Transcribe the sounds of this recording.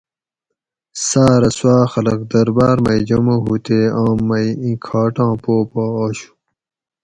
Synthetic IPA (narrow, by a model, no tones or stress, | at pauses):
saːɾɐswaːxɐlɐk̚d̪ɐɾbaːɾmɐid͡ʑɐmoɦut̪eːãːmːɐiĩkʰaːʈãːpoːpoːɕu̥